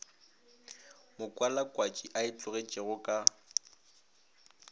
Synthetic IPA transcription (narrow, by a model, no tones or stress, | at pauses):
mʊkʼwalakʼwat͡ʃʼiʔaɪt͡ɬʼʊɣet͡ʃʼɪɣʊkʼa